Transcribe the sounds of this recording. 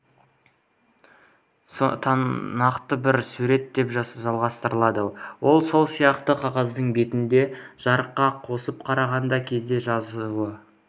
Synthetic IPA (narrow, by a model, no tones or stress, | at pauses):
t̪ʰnɑqt̪əbɪɾsuɾe̞t̪ːe̞pʒɑʒɑlˠʁɑst̪əɾəlˠɑd̪əwo̞lˠso̞lˠsijɑqt̪əqʰɑʁɑzd̪əɴbe̞t̪ɪnd̪e̞ʒ̥ɑɾəqːɑqʰo̞səp̚qʰɑɾɑʁɑnd̪ɑkʲʰe̞zd̪e̞ʒɑzuwə